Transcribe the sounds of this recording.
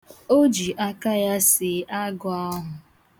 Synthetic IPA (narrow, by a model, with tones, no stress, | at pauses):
o˦d͡ʒi˨ʔa˦ka˦ja˦sɪ˨˦a˦ɡʊ˨a˦ɦʊ˨